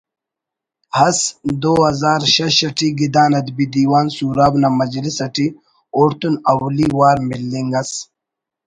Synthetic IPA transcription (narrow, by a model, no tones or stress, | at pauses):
hɐsd̪oːɦɐzaːɾɕɐɕɐʈiɡid̪aːnɐd̪bid̪iːwaːnsuːɾaːbnamɐd͡ʑlisɐʈi | oːɾt̪unɐwliwaːɾmilːiŋɡɐs